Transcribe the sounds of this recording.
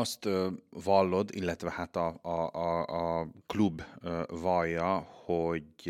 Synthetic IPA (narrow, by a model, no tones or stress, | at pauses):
ɔst̪ʋɑːlod̪ɪ̰lɛt̪ʋəhæt̪ɑɑɑkʰlʉbʋɑːjɑhɔɡ